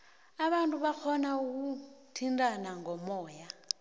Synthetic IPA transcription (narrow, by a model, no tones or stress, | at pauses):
aβantʼuβak͡xʰɔnauk̬utʰindanaŋɡɔmɔːja